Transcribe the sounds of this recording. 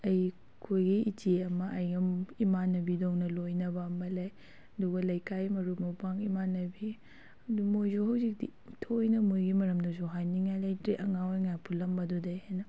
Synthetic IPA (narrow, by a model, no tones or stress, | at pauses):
ɐj | kʰojɡiiteɐmɐʔɐjɡɐimanːɐbidownɐlojnɐbɐːmɐlaj | ɐduɡɐlɐjkajmɐɾumowpʰaŋimanːɐbi | ɐdumojzohɐwzik̚dḭ | tʰojnɐmojɡimɐɾɐmdɐzoɦajniŋajlɐjtɾeʔɐŋawajŋajapʰulːɐmbɐdudɐjhajnɐ